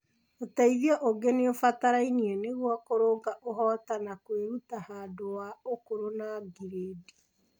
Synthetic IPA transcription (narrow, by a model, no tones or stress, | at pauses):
otaiðiɔʔoɡeneofataɾainiɛneɣwɔkoɾoːŋɡaʔoɦɔːtanakweɾutahaːdowaokoɾonaɡiɾedi